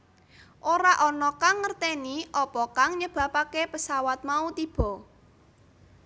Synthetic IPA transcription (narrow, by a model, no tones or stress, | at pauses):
ʔoɾaʔɔnɔkaŋːərt̪eniʔɔpɔkaŋɲəb̥a̤pakepəsawat̪̚maut̪ib̥ɔ̤